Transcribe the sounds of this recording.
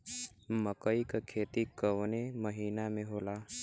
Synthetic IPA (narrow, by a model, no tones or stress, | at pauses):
məkəikakʰeːt̪ikəʋneməɦiːnamẽɦoːlaː